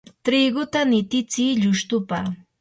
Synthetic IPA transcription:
t̪ɾiɡʊt̪anɪt̪ɪt͡siːʎʊʃt̪ʊpa

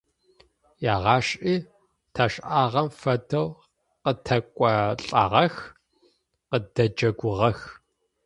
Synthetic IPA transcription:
jaːʁɑːɕʼiː | tʰɐʂʼʔaːʁɐmfɐdɐw | qətʰɐkʷʼɔɬʼɐ̰ʁɐx | qədɐd͡ʒɐɡʷʊʁɐx

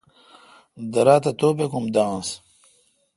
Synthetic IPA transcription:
d̪ɐɾaːt̪ɐt̪oːpekumd̪ãːs

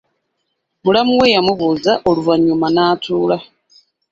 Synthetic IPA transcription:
mulamuwejamuβuːzaʔoluvaɲumanaːtʰuːla

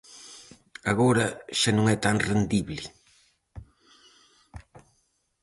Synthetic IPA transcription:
aɣoɾɐʃanõŋɛt̪aŋrend̪iβlɪ

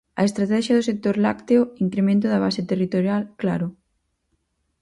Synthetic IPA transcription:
ɐ̰est̪ɾat̪ɛʃjɐðʊsek̚t̪oɾla̰kt̪eʊiŋkɾemẽnt̪ʊðɐβ̞aset̪erit̪oɾjalklaɾʊ

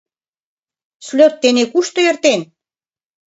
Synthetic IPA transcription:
slʲøt̪ːenekuʃt̪ojĕrt̪en

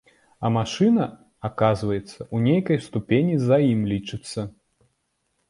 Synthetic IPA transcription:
ɐmaʂɨnɐ | akazvɐjɛt̪sːɐʔunʲejkɐjst̪upʲenʲizajimlʲit͡ʂɨt̪sːɐ

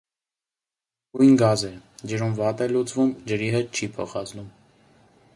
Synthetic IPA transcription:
ɡujnɡɑzɛd͡ʒəɾumvɑt̪ɛlut͡svumd͡ʒəɾiɦɛt̪̚t͡ʃʰipʰɔ̰χɑt͡snum

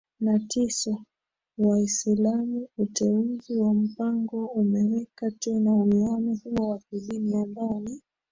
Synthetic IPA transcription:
natʰisa | waisilamuutɛuziwam̩paŋɡɔumɛwɛkatɛnawianahuwɔwakilinijandani

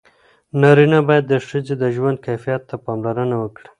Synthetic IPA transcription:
nɑɾinabɑjad̪ːəʂəzed̪əʒwand̪̚kajfijat̪ːapɑmlaɾənawəkɽi̥

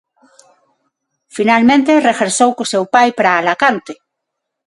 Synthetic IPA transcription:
finalmẽnt̪erexeɾsowkosewpajpɾaːlakant̪e̥

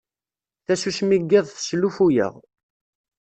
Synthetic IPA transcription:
θæsusmiɡːiðˤθslufujə̰ʁ

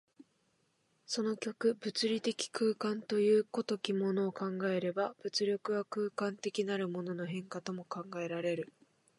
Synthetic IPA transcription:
so̞no̞kʲo̞kɯ̟bɯ̟t͡sɨɾʲit̪e̞kʲi̥kɯ̟ːkãnt̪o̞jɯ̟ːko̞t̪o̞kʲimo̞no̞ːkãŋɡae̞ɾe̞bab̥ɯt͡sɨɾʲo̞kɯ̟βakɯ̟ːkãnt̪e̞kʲinaɾɯ̟mo̞no̞no̞ɦẽ̞ŋkat̪o̞mo̞kãŋɡae̞ɾaɾe̞ɾɯ̟

